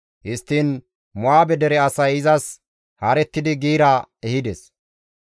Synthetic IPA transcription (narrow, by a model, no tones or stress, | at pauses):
hɪst̪ːiːn | mʊaːbɛd̪ɛɾɛɐsɐjɪzɐs | haːɾɛt̪ːɪd̪ɪɡiːɾaɛhɪd̪ɛs